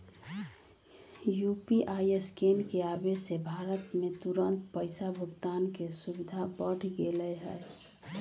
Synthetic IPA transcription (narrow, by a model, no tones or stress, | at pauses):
jupiʔaieskenkeabesebʱaːɾət̪mẽt̪uɾənt̪pəɪsabʱʊɡt̪aːnkesubɪd̪ʱabəɽ̤ʰɡeləɦɛ̰ː